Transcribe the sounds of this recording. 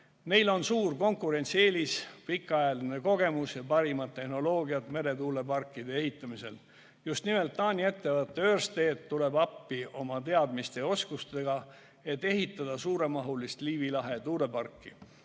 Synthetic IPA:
me̞jlo̞nsuːrko̞ŋkˑuɾe̞nʲt̪sie̞ːlispikːˑɑjɑline̞ko̞ɡe̞musjɑpɑɾimɑd̪̚ːe̞hno̞lo̞ːɡiɑt̪me̞ɾe̞t̪uːle̞pɑrkːˑid̪̥e̞eɦit̪ːˑɑmise̞̰l | just̪nimelt̪ːɑːnʲie̞t̪ːe̞vɤt̪ːeøːrst̪e̞ːt̪ːule̞bɑpːio̞mɑt̪e̞ɑd̪̥mist̪e̞o̞skust̪e̞ɡ̥ɑ | e̞t̪ːe̞ɦit̪ːˑɑd̪̥ɑsuːɾe̞mɑɦulist̪liːvilɑɦe̞t̪uːle̞pɑrkːi

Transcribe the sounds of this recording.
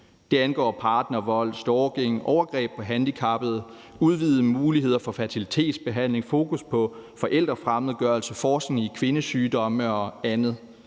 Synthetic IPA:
d̥e̝ænɡ̥ɒ̰ːpʰɑ̈ːd̥nɐʋɒ̽l̰sd̥ɒːɡ̥eŋ̰ʔɒʊɐɡ̥ʁɛ̰ːb̥̚pʰɒ̽ɦænd̥ikʰɑ̈b̥əð̞̩ˠ | uð̞ˠʋiːð̩ˠəmuːliɦe̝ð̞̰ˠɐfɒ̽fæt͡sʰilit͡sʰe̝̰ːd̥sb̥e̝ɦæn̰le̝ŋfo̝ːkʰuspʰɒ̽fɒ̽ʔel̰d̥ʁɐfʁaməð̩ˠɡ̥ɶɐlsəfɒːs̩ikʰʋe̝nəsyːd̥ɒ̽məɒ̽ænð̞̩ˠ

